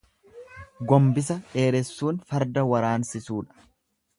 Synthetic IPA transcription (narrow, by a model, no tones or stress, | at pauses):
ɡɔmbɪs̬ɐᶑe̞ːɾɛsːuːnfɐɾd̪ɐwɐɾaːnsɪsuːᶑɐ̥